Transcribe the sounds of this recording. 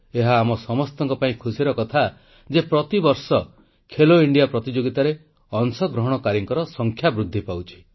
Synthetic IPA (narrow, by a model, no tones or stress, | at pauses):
eɦaːmɔsɔmɔst̪ɔŋkɔpaĩkʰusiɾɔkɔt̪ʰa | d͡ʒepɾɔt̪ibɔɾsɔ | kʰeloiɳɖijapɾɔt̪id͡ʒoɡit̪aɾe | ɔnsɔɡɾɔɦɔɽ̃ɔkaɾjiŋkɔɾɔsɔŋkʰjabɾud̪ʱːipawt͡ʃʰi̥